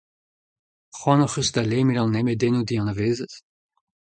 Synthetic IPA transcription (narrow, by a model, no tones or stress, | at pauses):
χwɑ̃noχysd̪alemilɑ̃nːɛmedenud̪iɑ̃naveːzət